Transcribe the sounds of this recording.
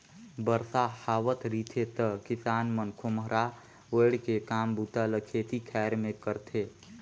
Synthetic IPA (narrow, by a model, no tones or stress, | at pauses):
bəɾsahaːʋət̪ʰɾiːt̪ʰet̪əkɪsaːnmənkʰomɦəɾa | ʋəːɽkekaːmbut̪aləkʰeːt̪ikʰɛːɾmẽkəɾt̪ʰeː